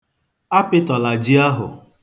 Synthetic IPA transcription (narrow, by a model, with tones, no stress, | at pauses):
a˦pɪ˦tɔ˨la˨d͡ʒi˦a˦ɦʊ̰˨